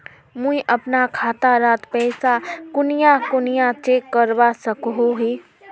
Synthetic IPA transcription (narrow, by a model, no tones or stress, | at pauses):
mũiʔɐpnakʰaːt̪aɾaːt̪pɛːsakʊnijakʊnijat͡ʃeːkːəɾbasəkɦoɦeː